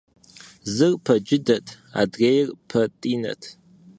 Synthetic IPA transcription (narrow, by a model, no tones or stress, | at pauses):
zɨrpʰɐd͡ʒɪdɐtʰ | a̰ːdɣejrpʰɐtʼiːnɐ̰tʰ